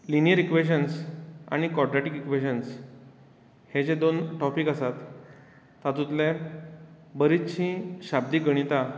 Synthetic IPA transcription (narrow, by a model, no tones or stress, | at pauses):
linijəɾikʋeɕənsa̰ɽ̃ikɔɖɾaʈikikʋeɕəns | hed͡ʑed̪onʈɔpikasat̪ː | at̪ut̪le | bəɾit̪t͡ɕʰĩɕab̚d̪iːɡəɽ̃it̪a